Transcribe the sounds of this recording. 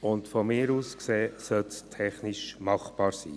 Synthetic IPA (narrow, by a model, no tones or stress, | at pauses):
ʊntfɔmɪːɾuːskseːsœltstʰɛχnɪʃmɑχb̥ɑːɾsḭː